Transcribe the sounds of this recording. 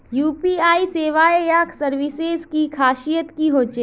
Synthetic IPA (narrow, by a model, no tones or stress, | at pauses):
juːpiaːiseːʋaːejaːkʰsɐɾʋɪseːzkikʰaːʃijətt̪kiɦoːt͡ʃeː